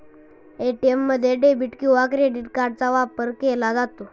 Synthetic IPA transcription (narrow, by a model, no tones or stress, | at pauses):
eʈiemːəd̪ʱːjeɖebiʈkiʋakɾeɖiʈkaɾɖ̚t͡saʋapəɾkelad͡zat̪o